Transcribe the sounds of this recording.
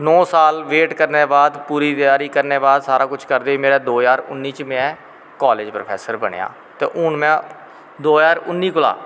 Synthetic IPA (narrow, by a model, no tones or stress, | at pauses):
nɔːsaːlʋeːʈkəɾneːbaːd̪puːɾiːt̪ɪjaːɾiːkəɾneːbaːd̪saːɾaːkʊt͡ʃʰkəɾd̪eːiːmeːɾaːd̪oːjaːɾʊ̰nːiːt͡ʃmɛ̃ː | kɔːleːd͡ʒpɾəpʰɛ̰ːsəɾbəɳḛja̰ː | t̪ḛːʔʊɳmɛ̃ː | d̪oːjaːɾʊnːiːkʊla̰ː